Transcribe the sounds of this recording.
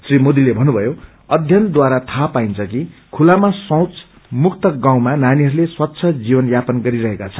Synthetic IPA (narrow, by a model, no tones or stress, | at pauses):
srimod̪ilebʱʌnːubʱʌjo | ʌd̪ʱjʌnd̪waɾat̪ʰapaint͡sʰʌkikʰulamasʌ̃wt͡s | mukt̪ʌɡãw̃mananiɦʌɾuleswʌtːsʰʌd͡zibʌnjapʌnɡʌɾiɾʌɦekat͡sʰʌ̥